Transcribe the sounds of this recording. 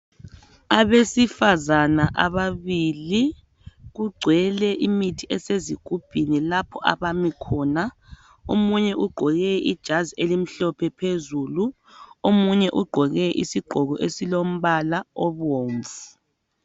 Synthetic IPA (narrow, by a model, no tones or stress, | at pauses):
aβesifazanaʔaβaβili | ɣuɡ͡ǀʱwɛlɛʔimitʰiɛseziɡ̥ʱub̥ʱinilapʰɔʔa̰βamikʰɔːna | omuɲɛʔuɡ͡ǃʱɔɣɛʔid̥ʒ̥ʱazielim̩ɬɔpʰɛpʰezulu | omuɲɛʔuɡ͡ǃʱɔɣɛʔisiɡ͡ǃʱɔɣɔʔesilom̩βalaɔβoːɱvu